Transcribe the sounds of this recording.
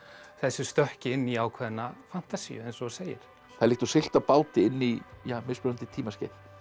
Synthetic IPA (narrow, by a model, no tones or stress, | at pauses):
θɛsːʏ̥st̪œhcɪɪnːiaːwkʰvɛðɪnːafan̥t̪asḭʏɛnsɔseːjɪ̰ɾ̥ | θaðlihkt̪sɪl̥t̪aðpaːwt̪ɪɪnːijaːmɪspʏɾant̪ɪt̪ʰiːmascɛθ